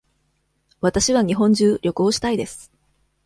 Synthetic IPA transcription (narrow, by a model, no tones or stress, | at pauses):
βat̪aɕiβaɲ̟iɦõ̞ɲ̟d͡ʑɨːɾʲo̞kɯ̟oɕi̥t̪aid̪e̞sɨ̥